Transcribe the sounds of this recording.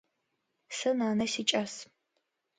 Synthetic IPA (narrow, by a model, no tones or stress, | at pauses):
sɐnaːnɐsit͡ʃʼas